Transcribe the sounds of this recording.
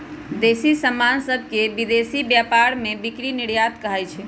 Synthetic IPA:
d̪esisəmːansəbʱkebid̪esibjapaɾmebikɾiniɽjat̪kəɦɛjt͡ʃʰɛ

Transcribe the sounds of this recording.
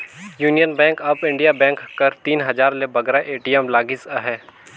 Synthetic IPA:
juːnijənbɛ̃ːŋkɐbɪ̃ɳɖijabɛ̃ːŋkːɐɾt̪iːnɦɐzaːɾlebɐɡɾaʔeːʈiɛmlaːɡisaɦɛː

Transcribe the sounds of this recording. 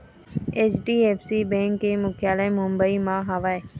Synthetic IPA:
et͡ʃɖiːeːfsiːbẽːŋkːemʊkʰjaːlamʊmbəimãːɦaʋae

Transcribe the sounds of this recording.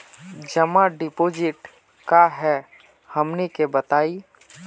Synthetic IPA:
d͡ʒɐmaɖɪpoːd͡ʒɪʈ | kaɦɛ | hɐmnekebət̪aːi

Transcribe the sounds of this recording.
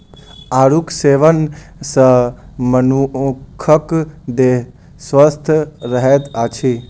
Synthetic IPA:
aːɾukseːʋənsəmənukʰəkd̪eɦ | sʋəst̪ʰɾəɦɛet̪at͡ʃʰi

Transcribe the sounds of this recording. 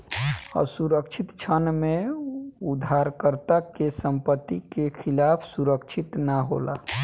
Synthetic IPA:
ɔ̰suɾəkt͡ʃʰit̪t͡ʃʰənmẽ | ud̪ʱːaɾkəɾt̪akesə̃mpət̪ːikekʰɪlaːpʰsuɾəkt͡ʃʰit̪naɦo̰la̰

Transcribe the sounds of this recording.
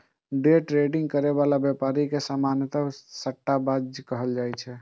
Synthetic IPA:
ɖeʈɾeɖiŋɡ̚kəɾeβalabjepaɾikesamanjət̪əsəʈːabad͡ʒd͡ʒkəɦəld͡ʒajt͡ʃʰɛ

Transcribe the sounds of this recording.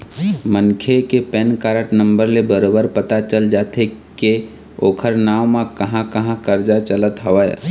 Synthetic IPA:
mənkʰekepɛnkaːɾəʈnə̃mbəɾlebəɾoːbəɾpət̪at͡ʃəld͡ʒaːt̪ʰeke | oːkʰəɾnaːʋmãkəɦãkəɦãkəɾd͡ʒat͡ʃələt̪ɦəʋəj

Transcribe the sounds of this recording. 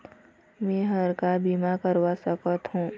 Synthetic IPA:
mɛ̃ːɦəɾkabiːmakəɾwasəkət̪ɦũː

